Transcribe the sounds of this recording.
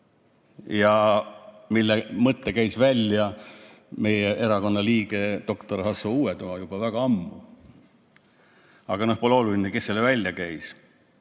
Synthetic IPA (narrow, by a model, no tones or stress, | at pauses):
jɑ | milːemɤt̪ːekæjsvælʲjɑ | me̞jee̞ɾɑko̞nːɑliːɡ̥e̞d̪̥o̞kt̪oɾhɑsouːet̪umɑjub̥ɑvæɡ̥ɑɑmːu | ɑ̰ɡ̥ɑnohpo̞leo̞lulʲineke̞sːelːevælʲjɑkæjs